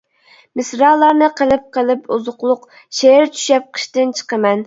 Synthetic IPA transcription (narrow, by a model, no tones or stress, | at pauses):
mɪsɾɑːlˠːɑɾnɨqʰəlˠɨp̚qʰəlˠɨpuzʊqlˠʊq | ʃeɾt͡ʃʰy̥ʃɛp̚qʰə̥ʃt̪ɪnt͡ʃʰə̥qəmɛn